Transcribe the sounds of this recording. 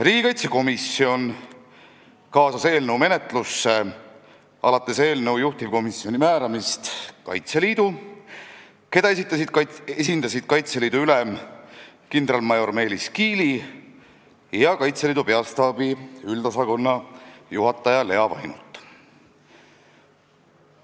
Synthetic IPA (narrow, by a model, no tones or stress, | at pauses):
ɾiːɡikɑjt̪seko̞misːio̞n | kɑːsɑse̞ːlne̞wme̞net̪ˑlusːe̞ | ɑ̰lɑt̪ːˑe̞se̞ːlne̞wjuht̪ivko̞misːio̞nʲimæːɾɑmist̪kɑ̰jt̪se̞liːd̪̥u | ke̞d̪̥ɑesit̪ːˑɑsid̪esind̪ɑsid̪̥̚kɑjt̪se̞liːd̪uylɛm | kind̪̥ɾɑlmɑjo̞rme̞ːliskiːli | jɑkɑjt̪seliːd̪upe̞ɑst̪ɑːb̥iyld̪̥ɑsɑko̞nːɑjuɦɑt̪ˑːɑjɑle̞ɑvɑ̰jnut̪ːˑ